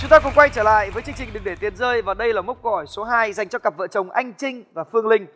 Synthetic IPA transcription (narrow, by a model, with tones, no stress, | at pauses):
t͡ɕʊ˨˦ŋ͡mt̪aː˧kʊ˧˥ŋ͡mkwa˧jt͡ɕəː˧˩la̰ː˧˨jvəː˨˦jt͡ɕɨ˧əŋt͡ɕï˨˩ŋ̟ɗɨ˨˩ŋɗe˧˩t̪i˨˩ənzəː˧jvaː˨˩ɗə˧jlaː˨˩mə˦˥t̚ko˧˩hɔ˧˩jso˨˦ɦaː˧jza˨˩jŋ̟t͡ɕɔ˧kə˨˩p̚və̰˧˨t͡ɕə˨˩wŋ͡mʔa˧jŋ̟t͡ɕï˧ŋ̟vaː˨˩fɨ˧əŋlï˧ŋ̟